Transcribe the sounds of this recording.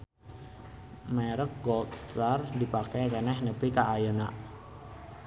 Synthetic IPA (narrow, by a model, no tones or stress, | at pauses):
mɛɾək̚ɡɔlt̪st̪ardipakajkənɛhnəpikaʔːjənaʔ